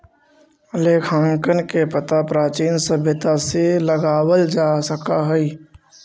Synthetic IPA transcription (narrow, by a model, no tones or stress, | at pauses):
əleːkʰãːŋkənkepət̪apɾaːt͡ʃiːnsəbʱjət̪aseləɡaːwəld͡ʒaːsəkaɦɛi